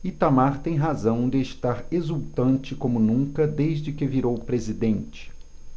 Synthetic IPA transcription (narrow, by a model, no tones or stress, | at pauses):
it̪amaɾt̪ẽj̃ɦazɐ̃w̃d̪ɪeʃt̪aɾezuwt̪ɐ̃nt͡ʃɪkõmʊnũŋkɐd̪ejzd͡ʒɪkɪviɾowpɾezid̪ẽnt͡ʃɪ̥